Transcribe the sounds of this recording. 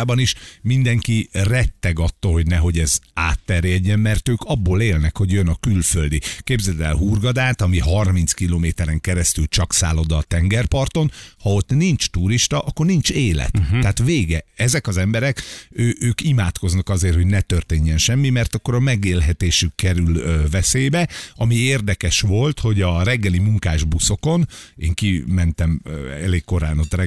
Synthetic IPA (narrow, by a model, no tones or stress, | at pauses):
bɒniʃmind̪ɛŋkirɛt̪ːɛɡɒt̪ːoːlɦo̞ɟnɛɦo̞ɟɛzaːt̪ːɛrjɛɟːɛmmɛrt̪øːkɒbːoːleːlnɛkho̞ɟjønɒkylføld̪ikeːbzɛd̪ɛ̰lɦurɡɒd̪aːt̪ɒmiɦɒrmint̪skiloːmeːt̪ɛɾɛŋkɛɾɛst̪ylt͡ʃɒksa̰ːlo̞d̪ɒt̪ɛŋɡɛrpɒrt̪o̞nhɒo̞t̪nint͡ʃt̪uɾiʃt̪ɒʔɒkːo̞rnint͡ʃeːlɛ̰t̪ːɛaːt̪ʋeːɡɛɛzɛkɒzɛmbɛɾɛkøːʔøːkimaːt̪ko̞znɒkɒzeːrho̞ɟnɛt̪ørt̪eːɲːɛnʃɛmːimɛrt̪ɒkːo̞ɾɒmɛɡeːlɦɛt̪eːʃykkːɛɾyløvɛseːbɛɒmieːrd̪ɛkɛʃʋo̞lt̪ho̞ɟɒɾɛɡːɛlimuŋkaːʒbuso̞ko̞neːŋkimɛnt̪ɛmøɛ̰leːkːo̞ɾa̰ːnot̪rɛ